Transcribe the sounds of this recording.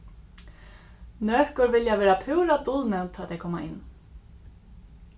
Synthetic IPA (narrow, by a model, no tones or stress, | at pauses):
nœːhkʏɾvɪljavɛːɾapʰʏwɾat̪ʊlmɛwnt̪ʰaːt̪ʰɛjkʰɔːma̰ʔɪnː